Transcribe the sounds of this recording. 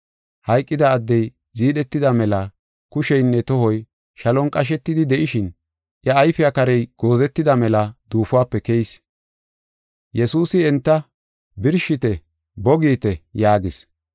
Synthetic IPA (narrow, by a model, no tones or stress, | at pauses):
hɐjkʼːɪd̪ɐːd̪ːɛj | ziːɗɛt̪ːɪd̪ɐmɛlɐ | kʊʃɛjnːɛt̪ɔhɔj | ʃɐlɔnkʼɐʃ̬ɛt̪ːɪd̪ɪd̪ɛʔɪʃɪn | ʔjɐːjfɪɐkɐɾɛjɡ̥o̞ːzɛt̪ːɪd̪ɐmɛlɐd̪̥uːfʊwaːpːɛkɛjs | jɛsuːsɪɛnt̪ːɐ | bɪɾʃɪt̪ɛ | bɔɡiːt̪ɛjaːɡɪs